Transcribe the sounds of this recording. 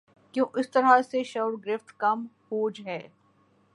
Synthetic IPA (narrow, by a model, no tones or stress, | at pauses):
kjõːʔɪst̪ɐɾaseʃɐwɾɡɾɪft̪kɐmhoːd͡ʒɦɛː